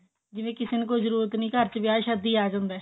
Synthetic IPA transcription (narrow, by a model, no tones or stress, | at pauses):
d͡ʒɪʋẽːkɪsenkoːzəɾuːɾət̪nĩːkəɾt͡ʃʋɪaːʃəd̪iːaːd͡ʒãːnd̪ɛː